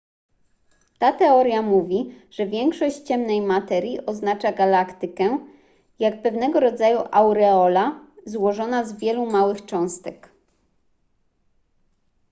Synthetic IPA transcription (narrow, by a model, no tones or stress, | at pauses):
t̪at̪ɛɔɾjamuvʲiʐ̥ɛvʲjɛŋkʂɔɕt͡ɕt͡ɕɛmnɛjmat̪ɛɾʲjiʔɔznat͡ʂaɡalakt̪ɘkɛ | jakpɛvnɛɡɔɾɔd̪zajuʔawɾɛɔlazwɔʐɔnazvʲjɛlumawɘxt͡ʂɔ̃w̃st̪ɛk